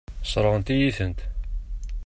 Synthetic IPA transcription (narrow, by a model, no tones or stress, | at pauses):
sˤɾˤəʁənt̪ijiθənt̪